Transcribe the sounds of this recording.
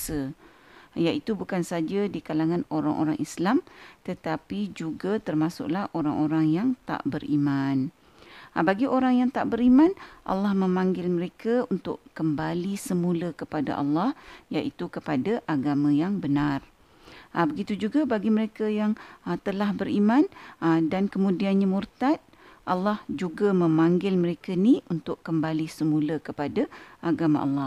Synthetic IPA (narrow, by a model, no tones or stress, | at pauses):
sə | jaʔit̪ubukansad͡ʒadikalaŋãnoɾa̰ŋʔo̰ɾaŋʔislamt̪ət̪apid͡ʒuɡat̪ərmasʊ̰ʔlahʔoɾaŋʔoɾaŋjaŋt̪a̰ʔbərimãn | baɡiʔoɾaŋjaŋt̪aʔbəɾimãnʔɑ̰lːɑhmə̃mãŋɡɪlməɾekaunt̪ʊʔkəmbalisəmũləkəpada̰ʔɑ̰lːɑhjaʔit̪ukəpadaʔaɡamãjaŋbənar | ʔabəɡit̪ud͡ʒuɡabaɡiməɾekajaŋt̪əlahbəɾimãndankəmũdianɲamurt̪at̪̚ | ʔalːɑhd͡ʒuɡamə̃mãŋɡɪlməɾekaniunt̪ʊʔkəmbalisəmũləkəpadaʔaɡama̰ʔa̰lːɑh